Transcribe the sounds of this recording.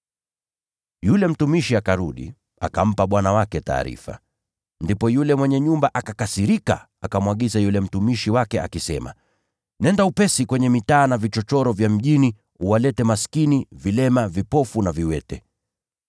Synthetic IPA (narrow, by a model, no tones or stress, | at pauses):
julɛm̩tumiʃiakaɾuɗḭ | a̰kam̩paɓwanawakɛta̰ːɾḭfa̰ | ndipɔjulɛmwɛɲɛɲumbaʔakakasiɾika̰ | akamwaɠizajulɛm̩tumiʃiwakɛa̰kisɛ̰ma̰ | nɛndaupɛsikwɛɲɛmitaːnavit͡ʃɔt͡ʃɔɾɔvjam̩ʄini | uwalɛtɛmaskinivilɛmavipɔfunaviwɛtɛ